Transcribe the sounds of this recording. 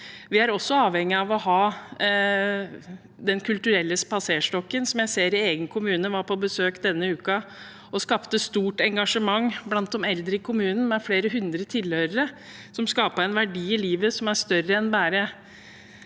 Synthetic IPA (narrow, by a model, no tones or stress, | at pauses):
ʋɪæɾɔsːɔɑːʋhɛŋːɪɑʋɔhɑː | d̪ɛnkʰʉlt̪ʉɾɛlːəspɑseːʂʈɔkːənsɔmjæɪseːɾɪeːɡənkʰʊmʉːnəʋɑɾpʰɔbəsøːkd̪ɛnːəʉːkɑ | ɔskɑpt̪əst̪uːʈɛŋɡɑʂəmɑŋːblɑnt̪̚ɔmɛld̪ɾəɪkʰʊmʉːnn̩mɛfleːɾəɦʉnd̪ɾət̪ʰɪlhøːɾəɾə | sɔmskɑːpəɾɛɪnʋæɖiːɪliːʋəsɔmæʂt̪œɾːəɛnbæːɾə